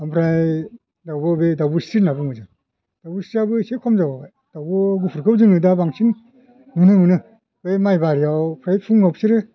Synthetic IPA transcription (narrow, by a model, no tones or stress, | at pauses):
ampʰɾaj | dawbɔbedawbɯsɾinabɯŋɯza | d̥awbusɾiabɯsekʰɔmzawa | d̥awbɔɡupʰuɾkʰɯwzɯŋɯdabaŋsin | mɯnɯmɯnɯ | bejmajbaɾijawpʰɾajpʰuŋawpsiɾɯ